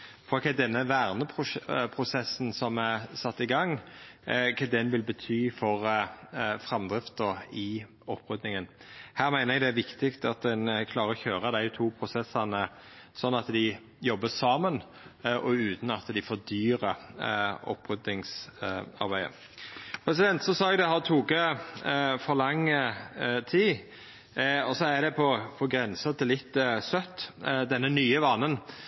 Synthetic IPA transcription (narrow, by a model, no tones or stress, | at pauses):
fɔɾɔkʰɛd̪ɛnːəʋæːʁnəpʰʊpʰɾʊsɛsːn̩sɔmæsɑt̪ːɪɡɑŋ | kʰɑd̪ɛnʋɪlbət̪ʰyːfɔʁ | fɾɑmd̪ʁɪft̪əɾɪ | ɔpːʁʉd̪nɪŋənhæːɾmæɪnəɾɛɡd̪ɛæɾʋɪkt̪ɪkt̪ɑt̪d̪ɛnkʰlɑːɾəɾɔçøːʁəd̪æɪt̪ʰuːpʰɾʊsɛsɑnə | sɔnːɑt̪d̪ɪ | jɔbːəsɑːmən | ʔɔʉːt̪nɑt̪d̪ɪfoːɾd̪yːɾə | ɔ̰pːʁʉd̪ɪŋsɑ̰ɾbæɪə̰ | pʰɾɛsɪd̪ɛnt̪sɔsɑːɛɡd̪ɛhɑt̪ʰuːkə | fɔɾlɑŋːət̪ʰiː | ɔsɔæd̪ɛpʰɔpʰɔɡɾɛnsət̪ʰɪlɪt̪ːsœt̪ːd̪ɛnːənyːəʋɑnːən